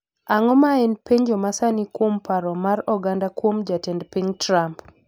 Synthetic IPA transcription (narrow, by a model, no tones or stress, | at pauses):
aŋɔmaɛnpeɲd͡ʒɔmasanikwompaɾɔmaɾɔɡandakwomd͡ʒatɛndpiɲtɾamp